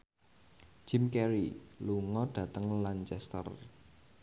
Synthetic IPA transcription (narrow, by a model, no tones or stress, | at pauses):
d͡ʒ̥ɪmkɛɾiluŋɔɖ̥ä̤t̪əŋlant͡ʃɛst̪ə̰r